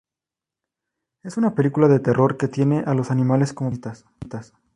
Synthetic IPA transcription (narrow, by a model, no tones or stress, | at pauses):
e̞sunapelikulaðe̞t̪e̞ro̞ɾke̞t̪je̞ne̞ʔalo̞sanĩmale̞sko̞mot̪as | t̪as